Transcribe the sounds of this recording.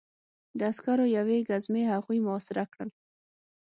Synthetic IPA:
d̪əaskaɾojaweɡazmehaɣujmʊɔsɪɾakɽəl

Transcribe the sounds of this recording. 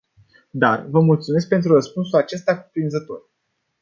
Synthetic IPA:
d̪arvəmult̪sume̞s̬k̚pe̞nt̪ɾurəspunsulat͡ʃe̞st̪akupɾinzət̪o̞̰r

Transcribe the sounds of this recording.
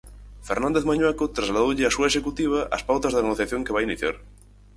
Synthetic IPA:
feɾnãnd̪eθmaɲwakot̪ɾazlaðoʎeasuaeʃekut̪iβ̞aʔɐ̰spawt̪azðaɣoθjaθjoŋkeβ̞ajiniθja̰ɾ

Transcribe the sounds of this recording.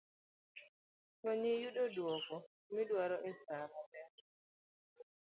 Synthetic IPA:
tɔɲijuɗɔdwɔkɔ | midwaɾɔʔɛsamɔbɛ

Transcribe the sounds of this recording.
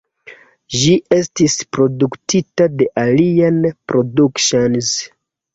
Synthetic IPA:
ʒiʔe̞stispɾo̞duktʰitade̞ʔalianpɾo̞dukʃonz

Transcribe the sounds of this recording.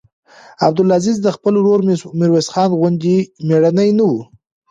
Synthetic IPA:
ab̚d̪ʊlazizd̪əxpəlɾoɾmɪɾwesxɑnɣʊnd̪imeɽanəjnawu

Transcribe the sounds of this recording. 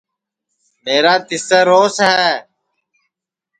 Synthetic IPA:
meːɾaːt̪ɪsəɾoːsɦɛː

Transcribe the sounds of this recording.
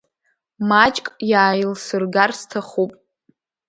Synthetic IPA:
mat͡ʃʼkʼjaːjɪlsɨrɡarstʰaχupʼ

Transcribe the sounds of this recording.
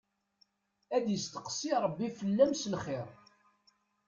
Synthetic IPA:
æd̪jəst̪ə̥qsiɾˤəbːifəlːæmsəlχɪɾ

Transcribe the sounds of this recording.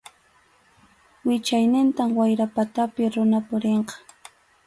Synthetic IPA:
wɪt͡ʃajnɪnt̪amwajɾapat̪apɪɾʊnapʊɾeɴqɑ̥

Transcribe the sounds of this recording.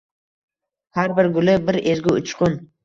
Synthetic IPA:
haɾbɪɾɡʊlɪbɪɾeɾɡʲɪʊt͡ʃqʰʊn

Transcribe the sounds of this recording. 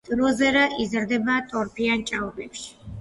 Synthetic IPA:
d̪ʼɾɔzɛɾaʔizɾd̪ɛbaːt̪ʼɔɾpʰiant͡ʃʼavbɛpʃi̥

